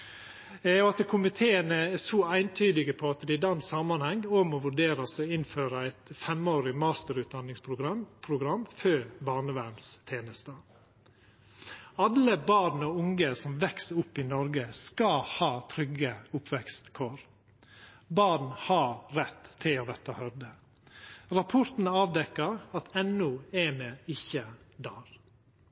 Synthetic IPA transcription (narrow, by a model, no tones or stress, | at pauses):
ɛjʊɑt̪kʰʊmɪt̪ʰeːənəɛsɔæɪnt̪ʰyːd̪ɪɡəpʰɔɑt̪d̪ɛd̪ɑnsɑmɑnhɛŋːɔmɔʋʉɖeːɾɑsd̪ɛɪnføːɾəæɪt̪fɛmoːɾɪmɑːst̪əɾʉːt̪̚d̪ɑnːɪŋspʰɾʊɡɾɑpʰɾʊɡɾɑmːføːɾbɑːɾnəʋæɾmst̪ʰeːnəst̪ə | ɑləbɑːɾnoːʊŋəsɔmʋɛksəʊpːɪnɔɾɡəskɑhɑːt̪ʰɾʏɡəʊpʰʋɛkst̪kʰoːɾ | bɑɾn̩hɑɾɾɛt̪ʰːɪloːʋ̪ɛt̪ːəhœɾd̪ə | ɾɑpʰʊɾt̪n̩ɑːʋd̪ɛkːəɾɑt̪ɛnʉɛmeɪçəd̪ɑːɾ